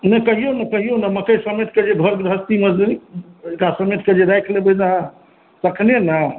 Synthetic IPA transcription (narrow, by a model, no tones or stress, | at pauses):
nekəɦijonəkəɦijonəməkəjsəmet̪̚ʰked͡ʒeɡʱəɾɡɾəɦəst̪imə | kasəmet̪̚ʰked͡ʒeɾɛjkʰlebed͡ʒaɦã | səkʰnenə